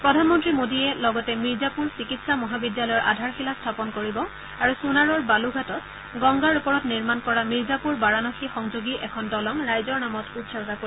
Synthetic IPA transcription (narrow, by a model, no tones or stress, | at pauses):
pɹɔdʱanmɔntɹimodiɛlɔɡɔtɛmiɹzapuɹsikitsamɔɦabidjalɔjɔɹʔadʱaɹxilastʰapɔnkoɹibɔ | aɹusunaɹɔɹbaluɡʱatɔt | ɡɔŋɡaɹupɔɹɔtniɹmankɔɹamiɹzapuɹbaɹanɔxixɔŋzoɡiʔɛkʰɔndɔlɔŋɹajzɔɹnamɔtutsɔɔkako